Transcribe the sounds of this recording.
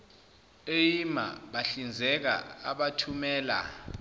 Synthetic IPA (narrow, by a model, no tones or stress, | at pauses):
ejima̰ɓaɬind͡zʱɛk̬a̰aɓatʰumɛːla̰